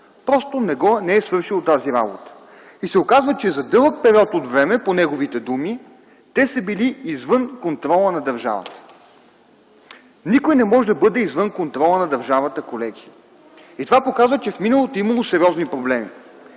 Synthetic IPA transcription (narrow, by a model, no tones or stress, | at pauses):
pɾɔst̪onɛɡɔnɛɛsvɤɾʃilˠot̪aziɾabot̪ə̥ | isɛokazvət͡ʃɛzɐd̪ɤlˠək̚pɛɾʲiɔt̪od̪vɾɛmɛponɛɡovit̪ɛd̪umi | t̪ɛsəbiliizvɤnkont̪ɾɔlˠənɐd̪ɐɾʒa̰və̰t̪ə̥ | nikojnɛmɔʒɛd̪ɐbɤd̪ɛizvɤnkont̪ɾɔlˠənɐd̪ɐɾʒavət̪əkolɛɡ̟ʲi | it̪ovapokazvət͡ʃɛfminəlˠot̪oiməlˠosɛɾiɔznipɾoblɛmi